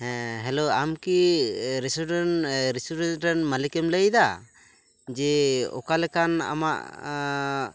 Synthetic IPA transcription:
ɛɦɛloamkiɾɛsuɖɛnɾisuɖɛnʈɛnmalikɛmləjd̪a | d͡ʒɛɔ̰kalɛkana̰ma̰ʔ

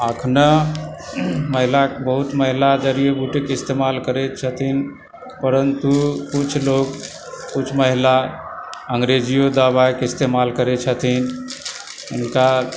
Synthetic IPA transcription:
əkʰnə | məɦilabəɦut̪məɦilad͡ʒəɾijebuʈekɪst̪emalkəɾet͡ʃʰət̪ʰin | pəɾənt̪ukut͡ʃʰloɡ | kut͡ʃʰməɦila | əŋɡɾed͡ʒijod̪abaekɪst̪emalkəɾɛt͡ʃʰət̪ʰin | ʊnka

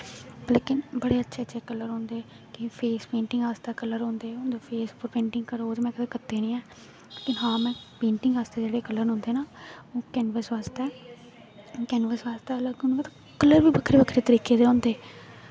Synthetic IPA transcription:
bleːkɪnbəɽeːətːʃʰeːtːʃʰeːkələɾɦõːnd̪eː | kɪpʰeːspẽːɳʈɪ̃ŋɡaːst̪aːkələɾɦõːnd̪eːõːnd̪oːpʰeːspʊɾpẽːɳʈɪ̃ŋɡkəɾoːd͡ʒmɛ̃ːkəd̪eːkət̪ːeːnĩːɛː | leːkɪnɦãːmɛ̃ːpẽːɳʈɪŋɡaːst̪eːd͡ʒeːɽeːkəlːəɾɦʊ̃ːnd̪eːnaːõːkɛːnʋəsʋaːst̪ɛː | kɛːnʋəsʋaːst̪aːləɡʊ̃nɡaːt̪ː | kələɾʋiːbəkʰɾeːbəkʰɾeːt̪əɾiːkeːd̪eːõːnd̪eː

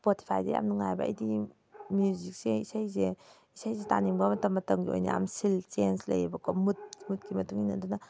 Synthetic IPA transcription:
spoti̥pʰajdḛja̰mnuŋajba̰ɐ̰jdi | mjuzik̚seisajze | isajseta̰niŋbamɐtɐmːɐtɐmɡio̰jna̰a̰msilt͡ʃenslɐ̰jibɐkɔmut̚mut̚kimɐtuŋinɐduna

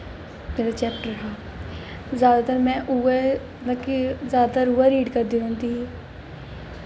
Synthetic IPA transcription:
meːɾat͡ʃɛːp̚ʈɾɐɦaː | zjaːd̪at̪əɾmɛ̃ːʔuːe | nakizjaːd̪at̪əɾuːaɾiːɖkəɾd̪ĩɦõːnd̪iɦː

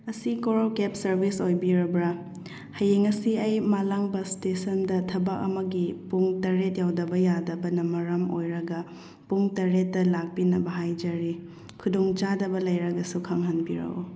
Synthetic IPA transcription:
ɐsikoɾkep̚sɐɾbisojbiɾɐbɾa | hɐjeŋɐsiɐjmalaŋbɐstesɐndɐtʰɐbɐkɐ̰mɐɡipuŋtɐɾet̚jawdɐbɐjadɐbɐnɐmɐɾamojɾɐɡɐ | puŋtɐɾetːɐlak̚pinɐbɐɦajd͡ʒɐɾi | kʰudoŋt͡ʃadɐbɐlɐjɾɐɡɐsukʰaŋɦɐnbiɾɐ̰o

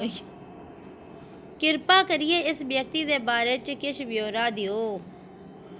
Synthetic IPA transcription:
kɪɾpaːkəɾɪjeːɪsbjək̚t̪iːd̪eːbaːɾeːt͡ʃkɪʃʋɪjoːɾaːd̪ɪjoː

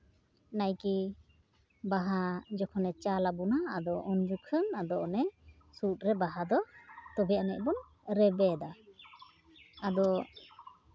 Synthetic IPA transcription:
najki | baɦad͡ʒɔkʰɔnɛt͡ʃalabunaːd̪ɔʔɔnd͡ʒukʰənad̪ɔɔnɛ | sut̚ɾɛbaɦad̪ɔt̪ɔbɛʔanɛc̚ˀbɔn | ɾɛbɛd̪a | ad̪ɔ

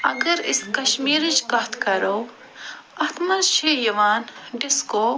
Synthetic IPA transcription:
ɐ̰ɡɐɾɪskɐʃmiːɾid͡ʒkɐɦt̪ʰkɐɾoː | ɐt̪mɐʃejɐʋaːnɖɪskoː

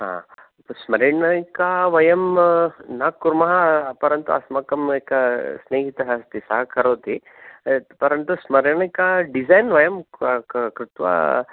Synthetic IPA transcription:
ɦã̰ː | smɐɾiɳɐkaʋɐjɐmnaːkːuɾmɐɦɐpɐɾɐnt̪uɐ̰smɐkɐmekɐsneːɦit̪ɐɦɐst̪isɐɦɐkɐɾoːt̪i | pɐɾɐnt̪usmɐɾiɳɐjkaɖizɐjnʋɐjɐm | kɾɪt̪ʋa̰

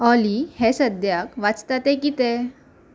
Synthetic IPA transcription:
ɔlihɛsəd̪ʱjakʋat͡st̪at̪ɛkit̪ɛ

